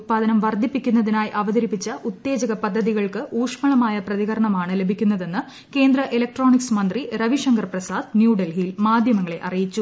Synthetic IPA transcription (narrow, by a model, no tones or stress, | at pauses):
t̪̚paːd̪ɐnɐmʋɐrd̪ʱipːikʲːunːɐðinaːjʔɐʋɐðɐɾipːit͡ɕːɐʔut̪ːe̞ːd͡ʑɐɣɐpɐd̪ʱːɐðiɣɐɭkɨʔuːʂmɐɭɐmaːjɐprɐðiɣɐɾɐɳɐmaːɳɨlebʱikʲːunːɐðe̞nːɨ | ke̞ːnd̪rɐʔelɐk̚ʈro̞ːɳiksmɐnd̪riɾɐʋiʂɐŋɡɐrprɐsaːd̪njuːɖɐlɦiːlmaːd̪ʱjɐmɐŋːɐɭe̞ʔɐrijit͡ɕːu